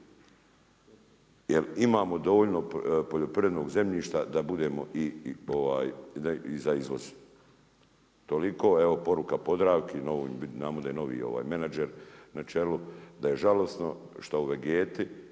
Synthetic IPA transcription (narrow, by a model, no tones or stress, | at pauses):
jelimaːmo̞d̪o̞ʋoːʎnopoʎopɾiɾed̪noːɡze̞mʎiːʃt̪ad̪abud̪e̞ːmo̞ʔioʋaːjizaizʋoz | t̪oliko̞ːeʋo̞po̞ɾukapo̞d̪ɾaːʋkenoʋḭminaːmod̪ajeno̞ʋḭːo̞̰ʋa̰ːjmenad͡ʒeɾnat͡ʃe̞lud̪aje̞ʒalo̞sno̞ʃt̪auʋeɡeːt̪i